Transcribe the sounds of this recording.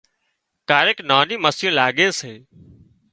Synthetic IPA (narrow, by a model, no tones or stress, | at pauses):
kaːɾeknaːnĩːməsũːlaːɠeːseː